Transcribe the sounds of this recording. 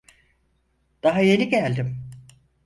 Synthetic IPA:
d̪̥aɦaje̞niɟælʲd̪im

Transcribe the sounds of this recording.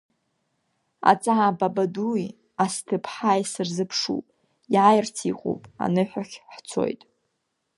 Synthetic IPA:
a̰t͡sʼaʕababadui | astʰɨpʰħajsɨrzɨpʰʂṵpʼ | jʕajrt͡sʰiqʼo̰wpʼa̰nɨħʷᶣaχʲħt͡sʰo̞̰jtʼ

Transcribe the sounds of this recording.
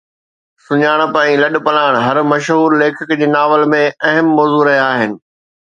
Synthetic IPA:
sʊɲaːɽ̃pãːĩlɐɗ̆pɐlaːɽ̃ɦɐɾmɐʃɦuːɾleːkʰɪkd͡ʑeːnaːʋəlmẽɐɦəmːɔːzuːɾɐɦijaːɦɪnɪ̆

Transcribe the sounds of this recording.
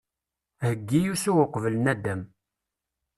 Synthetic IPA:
həɡːijusuʁəqvələnæd̪æm

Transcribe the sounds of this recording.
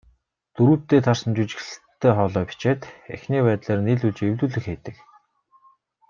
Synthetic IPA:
t̪ɵɾuːt̪ːeːt̪ʰarsə̆nt͡ɕut͡ɕɪ̥̆xɮɘ̆t̪ʰːæːχɔːɮɔːpi̥t͡ɕeːt̪ḛxniːpæːt̪ɮeːrniːɮut͡ɕewt̪uːɮɘ̆xeːt̪ɘ̆k

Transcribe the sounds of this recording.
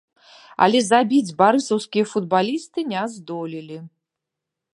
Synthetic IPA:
a̰lʲɛzabʲid͡zʲbaɾɨsɐwskʲijɐfud̪balʲist̪ɨnʲɛzd̪ɔlʲilʲi

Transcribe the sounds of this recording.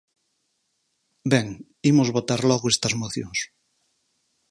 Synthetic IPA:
beŋ | imozβot̪aɾlɔɣoest̪ɐzmoθjõŋs

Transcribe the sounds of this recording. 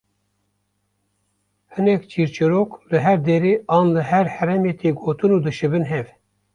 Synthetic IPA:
hɨnɛkt͡ʃʰiːɾt͡ʃɨɾoːklɨɦɛɾd̪eːɾeːʔɑːnlɨɦɛɾhɛɾɛmeːt̪ʰeːɡoːt̪ɨnuːd̪ɨʃɨbɨnɦɛv

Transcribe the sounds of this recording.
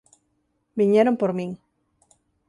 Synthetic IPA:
biɲeɾompoɾmĩŋ

